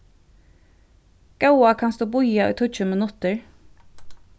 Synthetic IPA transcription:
ɡ̥ɑʊɑkʰɑnsd̪uːbʊʏɑḭːt̪ʰuc͡çʉːmənʉt̪əɹ

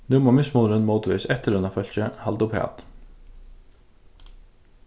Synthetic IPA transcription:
nʉmɑːmɪsmʊːɾənmoːt̪ʰʋɪsɛt̪əɾʉnɑfœlçəhɑld̪ʊphḛːɑ̰t̪

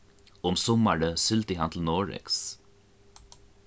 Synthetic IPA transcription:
ʊmsɔməɹəsʏlt̪ihɑnt̪l̩noːɹɛ̰ks

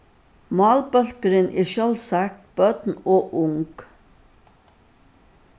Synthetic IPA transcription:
mɑːlbœlkəɾənʔeːʃœlsækb̥œd̪n̩oːʔʊŋɡ̥

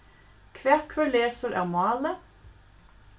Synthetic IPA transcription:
kʰʋæʁt̪kʰʋœleːsəɾæ̰ːʁmɑːlə

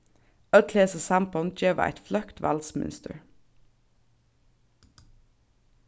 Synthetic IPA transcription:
œleːsəsæmpɔnd͡ʒeːʋə̰æ̰ɪt̪flœkt̪ʋɑ̰lsmɪ̰nst̪ə̰ɹ

